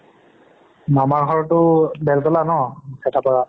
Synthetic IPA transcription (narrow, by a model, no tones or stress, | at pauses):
namaɹɦɔɹtʊbɛltɔlanɔsʰɛtʰapɔɹa